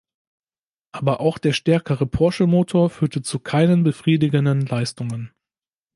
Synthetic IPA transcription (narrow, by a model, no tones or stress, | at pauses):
ʔaːbɐʔaʊxd̥eːɐʃtɛɐkəʁəpʰɔɐʃəmoːtʰoːɐfyːɐtət͡sukʰaɪnənbəfʁ̥iːdɪɡəndənlaɪstʊŋən